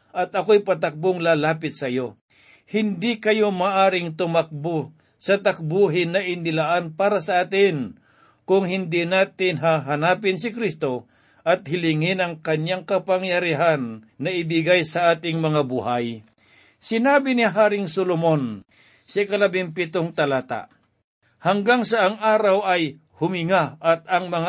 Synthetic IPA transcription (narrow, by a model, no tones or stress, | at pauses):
ʔɐt̪ɐkojpɐt̪ɐk̚boŋlaːlaːpɪt̪̚sɐjo̞ | hɪnd̪ikɐjo̞maʔaːɾɪŋt̪ʊmɐk̚bʊ | sɐt̪ɐk̚buɦɪnɐʔɪnɪlaʔanpaːɾɐsɐʔaːt̪ɪn | kʊŋɦɪnd̪inaːt̪ɪnɦaɦɐnaːpɪns̬ɪkɾist̪o̞ | ʔɐt̪̚hɪlɪŋɪnɐŋkɐɲjaŋkɐpɐŋjɐɾiɦanːɐɪbɪɡajsɐʔaːt̪ɪŋmɐŋabuhaj | sɪnaːbɪniɦaːɾɪŋsolomon | sɐkɐlɐbɪŋpɪt̪oŋt̪ɐlaːt̪a̰ʔ | hɐŋɡaŋsɐʔɐŋʔaːɾɐwɐj | hʊmɪŋaʔɐt̪̚ɐŋmɐŋa